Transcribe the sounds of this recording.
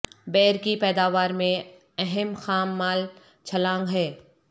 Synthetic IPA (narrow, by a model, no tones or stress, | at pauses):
bɛːɾkipɛːd̪aːʋaːɾmẽ | ɛɦɛmxaːmːaːl | t͡ʃʰɐlãːŋɡɦɛː